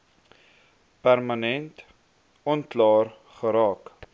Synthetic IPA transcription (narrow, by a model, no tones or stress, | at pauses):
pærmənɛnt | ɔnklɑːr | χəɾɑːk